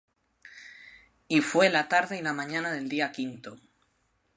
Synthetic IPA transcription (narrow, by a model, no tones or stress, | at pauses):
ifwe̞lat̪aɾðeilamãɲãnaðe̞ld̪iakint̪o